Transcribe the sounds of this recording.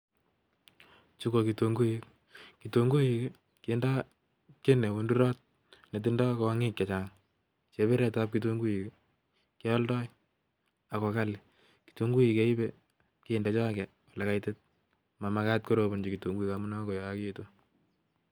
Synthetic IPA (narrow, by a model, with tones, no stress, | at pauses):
t͡ʃu˦ko˨ki˨to˨ŋɡu˦ik | kito˨ŋɡu˦ji˨k | kːnda˦ | ke˦ne˨wo˨ndu˦ɾɔ˦t̚ | ne˨t̬inda˦ko˨a˦ŋɪ˦kka˨t͡ʃa˨ŋ | t͡ʃe˨˦βe˦ɾɛ˦˨ta˦p̚ki˦t̬o˦ŋɡu˦ji˨k | kɪ˦ɔ˦ldɔ˦j | a˨kɔ˨ka˦li˨ | ki̥˨to˦ŋɡu˦ji˨ke˦i˦be | ki˦ɪ˨nda˦t͡ʃɔ˦kɛ˨ | a˨lɛ˨ka˦jte˦t̚ | ma˨makat̚ko˦ɾo˨bo˨nd͡ʒi˨ki˨to˨ŋɡu˦i˦kamu˦na˦ko˨jɔ˨a˦keto˦